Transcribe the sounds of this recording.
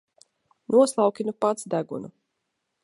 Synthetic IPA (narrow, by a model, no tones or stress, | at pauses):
nuɔslˠawkʲinupat̪sd̪æɡṵnṵ